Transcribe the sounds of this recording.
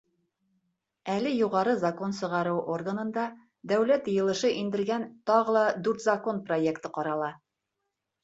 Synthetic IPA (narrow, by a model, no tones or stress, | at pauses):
ælɘjuʁɑɾɤzɐko̞nsɤ̆ʁɑɾɤwʔorɡənɤ̆nd̪ɑ | d̪æwlæt̪jɤ̆jɤ̆lˠɤ̆ʃɤʔind̪ɘ̆ɾɡænt̪ɑʁɤlˠɑd̪ʉɾt̪zɐko̞nprojekt̪ɤqɒɾɑlˠɑ